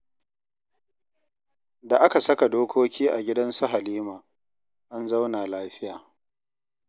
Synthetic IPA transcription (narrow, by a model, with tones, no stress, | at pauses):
da˨ʔa˦ka˨sɐ˦ka˨doː˦kʷʰoː˦kʲiː˦ʔa˨ɡʲɪ˦dɐ˦nsu˦ɦa˨liː˦maː˨ | ʔa˦nza˦wnaː˨laː˦ɸɪ˦jaː˨